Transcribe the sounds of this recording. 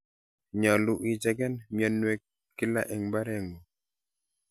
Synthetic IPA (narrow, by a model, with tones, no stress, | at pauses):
ɲa˨lu˦˨ʔi˨d͡ʒɛ˦ɡɛ˦nmja˨nwɛ˦ | kːi˦la̰˦ʔɛ˨ŋba˦ɾɛ˦˨ŋu˨